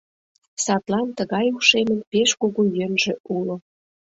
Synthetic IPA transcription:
sɑt̪lɑnt̪əɣɑjuʃemə̆npeʃkuɣujønʒĕʔulo

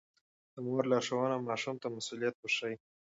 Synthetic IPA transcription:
d̪̥əmoɾlɑʂawanamɑʃumt̪amasulijat̪̚wəʂai

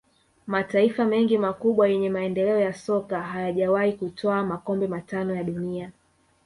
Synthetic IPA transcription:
mataifamɛŋɡimakuɓwajɛɲɛmaɛndɛlɛɔjasɔkaɦajaʄawaikutʰɔamakɔmbɛmatanɔjaɗunia

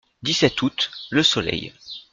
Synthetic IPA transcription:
d̪isɛt̪ut̪ləsɔlɛ̰j

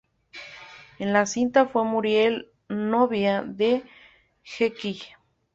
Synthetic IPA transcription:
enlasint̪afwemuɾjel | noβjaðe | xeki

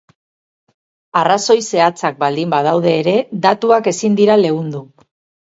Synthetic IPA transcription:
araso̞jse̞at͡sak̚bald̪imbað̞awð̞e̞ːɾe̞ðat̪uake̞sind̪iɾale̞ɣund̪u

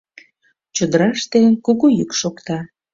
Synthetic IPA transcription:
t͡ɕod̪əɾɑʃt̪enkuɣujykʃokt̪ɑ

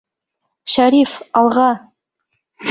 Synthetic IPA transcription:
ʃæɾifɑlˠʁɑ

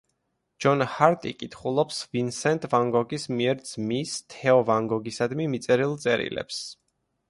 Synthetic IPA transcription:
d͡ʒ̥ɔnhaɾt̪ʼḭkʼit̪ʰχulˠɔpsvinsɛnt̪ʼvaŋɡɔɡismiɛɾd̪z̥mist̪ʰɛɔvaŋɡɔɡisad̪mimit̪sʼɛɾilˠt̪sʼɛɾḭlɛ̰ps

